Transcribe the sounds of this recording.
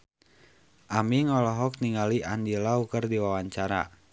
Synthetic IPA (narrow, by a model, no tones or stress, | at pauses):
ʔamiŋɔlɔɦɔk̚niŋaliʔandilaukərdiwawaɲt͡ʃaɾa̰